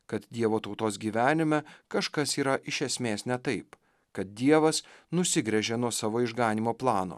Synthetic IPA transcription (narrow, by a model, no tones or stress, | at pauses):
kɐt̪d̪ʲiɛʋoːt̪ɒʊt̪oːsɡʲiːʋʲæːnʲɪmʲɛkɐʃkɐsiːɾɐʔɪʃʲɛsʲmʲeːsnʲɛt̪ɐɪp | kɐt̪̚d̪ʲiɛʋɐsnʊsʲɪɡɾʲɛʒʲeːnuɔsɑːʋoːɪʒɡɑːnʲiːmoːplˠɑːno̰ː